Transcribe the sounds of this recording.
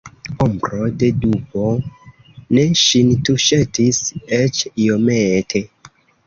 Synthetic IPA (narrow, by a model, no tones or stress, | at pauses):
ombɾodedupo | neʃintuʃetiset͡ʃiometʰe